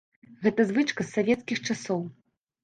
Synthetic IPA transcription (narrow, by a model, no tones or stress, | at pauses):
ɣɛt̪ɐzvɨt͡ʂkɐsːavʲɛt̪skʲixt͡ʂasɔw